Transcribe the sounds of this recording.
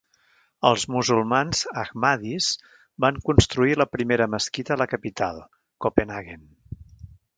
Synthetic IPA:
əlˠzmuzulˠmanz̥əɣmaðiz̥ | baŋkunst̪ɾuiləpɾimeɾəməskit̪ələkəpit̪a̰lˠ | kopenaɣen

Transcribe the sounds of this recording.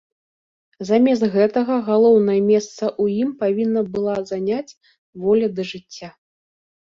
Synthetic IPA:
zamʲɛst̪ɣɛt̪ɐɣɐɣalˠɔwnɐjɐmʲɛst̪sɐʔujimpavʲinːɐbɨlˠazanʲat͡sʲ | vɔlʲɐd̪ɐʐɨt͡sʲːa

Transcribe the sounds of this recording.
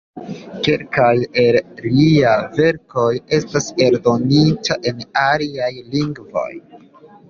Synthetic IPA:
keɾkajelliave̞ɾko̞je̞stase̞ɾdo̞nitʰaʔe̞naliajliŋɡvo̞̰j

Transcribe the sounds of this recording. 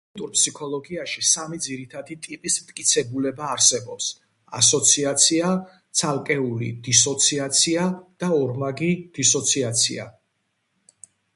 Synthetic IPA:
t̪ʼuɾpʰsikʰɔlˠɔɡiaʃisamid̪ziɾit̪ʰad̪it̪ʼipʼismt̪̚ʼkʼit̪sʰɛbulɛbaːɾsɛbɔps | a̰sɔt̪sʰiat̪sʰia | t̪sʰalˠkʼɛulḭd̪̥isɔt̪sʰiat̪sʰiad̪̥aɔɾmaɡid̪̥isɔt̪sʰiat̪sʰḭa̰

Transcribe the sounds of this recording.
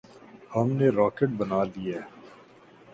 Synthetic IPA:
hɐmneɾɔːkeʈ̚bɐnaːliɛː

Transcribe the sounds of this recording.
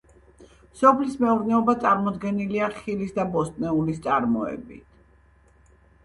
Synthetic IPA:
sɔpʰlismɛuɾnɛɔbat̪sʼaɾmɔd̪ɡɛniliaχilisd̪abɔst̪ʼnɛulist̪sʼaɾmɔɛ̰bit̪ʰ

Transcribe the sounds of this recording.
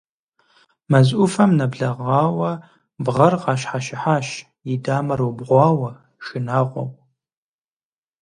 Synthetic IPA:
mɐzʔʊfɐmnɐbɮɐʁɑːwɐ | bʁɐrqɑːʃħaʃɪħaːʃ | jɪdaːmɐrubʁʷɑːwɐ | ʃɪnaːʁʷɔ̰pʼ

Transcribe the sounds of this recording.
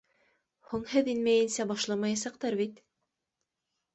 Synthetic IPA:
huɴhɘðinmæjɘ̆nsæbɑʃlˠɑmɑjɑsɑq̚t̪ɑɾβit̪

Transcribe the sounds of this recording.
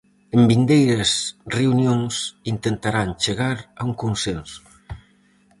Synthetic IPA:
embind̪ejɾesreunjonsint̪ent̪aɾant͡ʃeɣaɾauŋkunsɛnsu̥

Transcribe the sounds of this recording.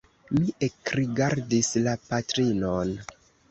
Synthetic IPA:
miʔekɾiɡaɾdislapatɾinon

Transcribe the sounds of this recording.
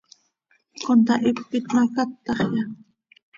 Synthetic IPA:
kont̪aʔɪpːɪt̪makat̪ːɑχja

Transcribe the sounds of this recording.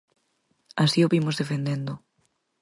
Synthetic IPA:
asioβimozðefend̪end̪ʊ

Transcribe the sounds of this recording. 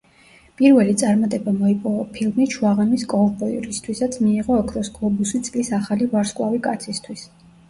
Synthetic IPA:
pʼiɾvɛlit̪sʼaɾmat̪ʼɛbamɔipʼɔvɔpʰilˠmiʃʰuaʁɛmiskʼɔvbɔiɾist̪ʰwisat̪sʰmiːʁɔːkʰɾɔsɡʼlˠɔbusit̪sʼlisaχalivaɾskʼwavikʼat̪sʰist̪ʰwis

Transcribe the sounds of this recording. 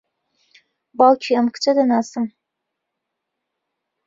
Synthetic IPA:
balt͡ʃʰiɐmkʰt͡ʃʰʼɐdɐnaːsɨm

